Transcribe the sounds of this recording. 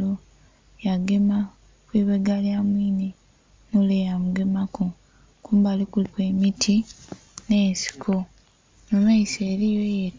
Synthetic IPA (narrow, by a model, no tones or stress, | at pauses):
o | jaɡe̞ma | kwiːβeɡaljamwiːne | nulejamuɡe̞mako | kuːmbalikulikwe̞mitʰi | ne̞ːnsi̥kʰo | nomaiseːɾijoje